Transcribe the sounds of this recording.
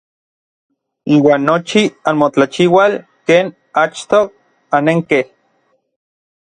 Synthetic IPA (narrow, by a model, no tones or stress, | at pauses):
iːwaːnːot͡ʃianmot͡ɬat͡ʃiwalkeːn | at͡ʃt̪o | aneŋkeh